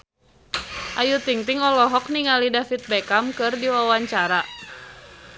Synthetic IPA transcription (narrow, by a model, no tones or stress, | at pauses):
ʔajut̪iŋt̪iŋɔlɔɦɔk̚niŋalidafit̪̚bɛkamkɨrdiwawaɲt͡ʃaɾa